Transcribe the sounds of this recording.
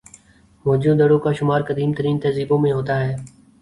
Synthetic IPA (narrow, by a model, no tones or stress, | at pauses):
moːd͡ʒũːd̪əɽoːkaːʃʊmaːɾkəd̪iːmt̪əɾiːnt̪ɐziːbõːmẽːɦoːt̪aːɦɛː